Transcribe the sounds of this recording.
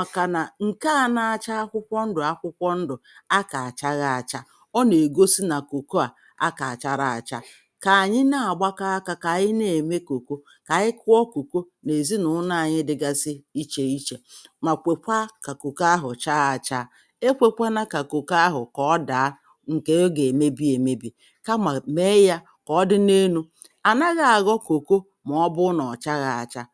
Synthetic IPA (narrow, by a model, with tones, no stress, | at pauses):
ma˨ka˨na˨ŋ̩˨ka˦˨na˨a˨t͡ʃa˦a˦kʷʊ˦kʷɔ˦n̩˦dʊ˨a˦kʷʊ˦kʷɔ˦n̩˦dʊ˨a˦ka˨a˨t͡ʃa˦ɣa˨a˨t͡ʃa˦ | ɔ˦ne˨ɡo˦si˦na˨ko˨ko˦a˨ | a˦ka˨t͡ʃa˦ɾa˨a˨t͡ʃa˦ | ka˨a˨ɲɪ˦na˨a˨ɡ͡ba˦ka˦a˦ka˦ka˨ɲɪ˦ne˨me˦ko˨ko˦ | ka˨ɪ˦kʊ˦ɔ˦ko˨ko˦ | ne˨zi˦nʊ˨˦na˦a˨ɲɪ˦dɪ˨ɡa˦sɪ˦i˦t͡ʃe˨i˦t͡ʃe˨ma˨kʷe˨kʷa˦ka˨ko˨ka˦ɦʊ˨t͡ʃa˦a˨t͡ʃa˦˨ | e˦kʷe˦kʷa˦na˦ka˨ko˨ka˦ɦʊ˨kɔ˦da˨a˦ | ŋ̩˨ke˦o˦ɡe˨me˦bi˦e˨me˦bi˨ | ka˦ma˨me˦ja˦ | kɔ˨˦dɪ˦ne˦nu˦ | a˨na˦ɣa˨ɣɔ˦ko˨ko˦ | m˨ɔ˦bʊ˦nɔ˨t͡ʃa˦ɣa˨a̰˨t͡ʃa˦